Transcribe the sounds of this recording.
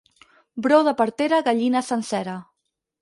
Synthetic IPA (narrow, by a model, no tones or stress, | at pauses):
bɾowðəpəɾt̪eɾəɣaʎinəsənsɛɾə